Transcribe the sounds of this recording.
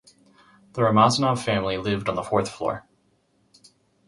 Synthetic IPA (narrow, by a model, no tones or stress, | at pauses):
ðəɹəmɑznav̥fæ̃mlilɪvdn̩ðəfɔɹθflɔ̰ɹ